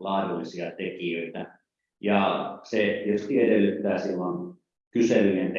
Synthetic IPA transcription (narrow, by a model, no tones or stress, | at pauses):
lɑːrulːisiɑt̪ekijøit̪æ | jɑsejost̪iedelːyt̪ːæːsilːɑn | kyselːient̪